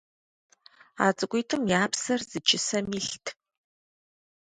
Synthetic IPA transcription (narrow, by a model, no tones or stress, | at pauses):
a̰ːt͡sʼɨɡʷʼʊjtʰɨmjaːpsɐrz̥ɨt͡ʃʰɪsɐmiːɬtʰ